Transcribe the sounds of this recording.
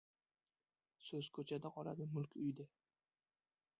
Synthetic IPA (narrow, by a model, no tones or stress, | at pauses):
sɵz̥kʰɵt͡ʃʰad̪aqʰɒla̰d̪ɪmʊlkʲʊjd̪ɪ